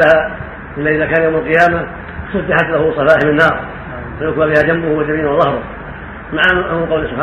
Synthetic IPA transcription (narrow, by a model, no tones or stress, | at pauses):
laha | ʔɪlːaʔɪðakaːnjawmalqɨjaːma | t̪ʊsd̪ɪħat̪lahʊsˤɑfaːħɪmɪnːɑːɾˤ | fajʊkbabɪhad͡ʒambʊhwɪd͡ʒamiːnwðˤɑhɾˤʊ | maʕaʔʊqɑwlsʊbħa